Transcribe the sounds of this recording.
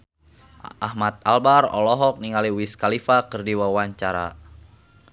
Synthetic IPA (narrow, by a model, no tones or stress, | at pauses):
ʔahmat̪̚albarɔ̰lɔɦɔk̚niŋaliwiskalifakɨrdiwawaɲt͡ʃaɾa̰